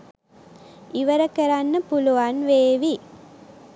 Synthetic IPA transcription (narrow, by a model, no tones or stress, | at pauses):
ɪʋɐɾɐkːɐɾaːnːɐpːʊlʊʋaːnʋeːʋi